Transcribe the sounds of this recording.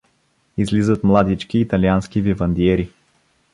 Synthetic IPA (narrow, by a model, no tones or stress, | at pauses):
izlizət̪mlˠad̪it͡ʃkiːt̪ɐlianskivivɐnd̪iɛɾi